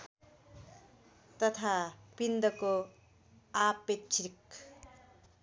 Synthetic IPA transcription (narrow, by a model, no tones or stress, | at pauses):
t̪ʌt̪ʰapind̪ʌko | apett͡ʃʰɾik